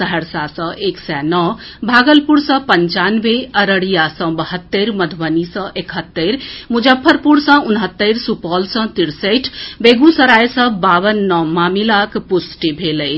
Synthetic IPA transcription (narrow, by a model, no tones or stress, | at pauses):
səɦəɾsasə̃ʔeksɛnɔbʱaɡəlpuɾsə̃pəɲt͡ʃanʋeəɾəɽijasə̃bəɦət̪ːeɾməd̪ʱbənisə̃ʔekʰɦət̪ːəɾmud͡ʒəpʰːəɾpuɽsə̃unɦət̪ːəjɾsupɔlsə̃t̪iɾsəʈʰbeɡũsəɾajsə̃baʋənːɔmamilakpusʈibʱeləj